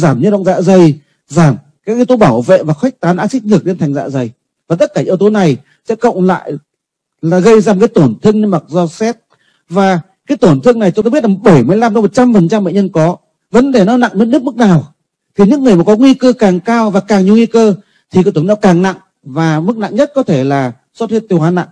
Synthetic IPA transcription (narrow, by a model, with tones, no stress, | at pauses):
zaː˧˩mɲɨ̰˧˥ɗə̰˧˨wŋ͡mza̰ː˧˨zə˨˩j | zaː˧˩m | kaː˨˦k̚ʔi˧wt̪o˨˦ɓaː˧˩wvḛ˧˨vaː˨˩xwa˦˥jk̚t̪aː˨˦nʔa̰ː˧˥si˦˥k̟̚lɨ˨˩əɗe˧nt̪ʰɛ˨˩ŋza̰ː˧˨zə˨˩j | vaː˨˩t̪ə˦˥t̚kaː˧˩ʔi˧əwt̪o˨˦na˨˩j | sɛ̰˧˥kə̰˧˨wŋ͡mla̰ː˧˨j | laː˨˩ɣə˧jzaː˧mo˨˩kːaː˨˦jt̪o˧˩nt̪ʰɨ˧əŋɲɨ˧ma˨˩k̚zɔ˧sɛ˦˥t̚ | vaː˨˩ | kaː˨˦jt̪o˧˩nt̪ʰɨ˧əŋna˨˩jt͡ɕt̪o˧bi˦˥tla˨˩ɓə˧˩jmɨ˧˩əjla˧mt̪ɔ˧˦mo˨˩t̚t͡ɕa˧mfə˨˩nt͡ɕa˧mɓḛ˧˨ɲə˧nkɔ˨˦ | və˨˦nɗe˧˩nɔ˨˦na̰˧˨ŋme˧˦˥nɨ˦˥ək̚mɨ˦˥k̚naː˨˩w | t̪ʰi˨˩ɲɨ̰˧˥ŋːɨ˨˩əjmaː˨˩kɔ˨˦ŋwi˧kəː˧kaː˨˩ŋkaː˧wvaː˨˩kaː˨˩ŋɲ˨˩əŋwi˧kəː˧ | t̪ʰi˨kːt̪ːnɔ˨˦kaː˨˩ŋna̰˧˨ŋ | vaː˨˩mɨ˦˥k̚na̰˧˨ŋɲə˦˥t̚kɔ˨˦t̪ʰe˧˩laː˨˩ | so˦˥t̚hi˦˥t̚t̪i˧əwaː˨˦na̰˧˨ŋ